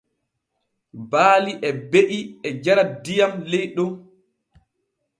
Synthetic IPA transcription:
baːliʔɛbeʔiɛd͡ʒaɾadijamlejɗum

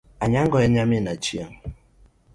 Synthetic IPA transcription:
aɲaŋɡɔɛɲaminat͡ʃiaŋ

